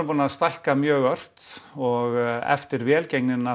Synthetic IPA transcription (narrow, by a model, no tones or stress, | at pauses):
puːnaast̪ajhkamjœːɣœr̥t̪ɔɣɛ̰ft̪ɪɾvjɛːlcejknɪna